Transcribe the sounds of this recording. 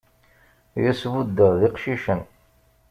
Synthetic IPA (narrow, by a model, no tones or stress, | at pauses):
jæsvud̪ːəðiqʃiʃən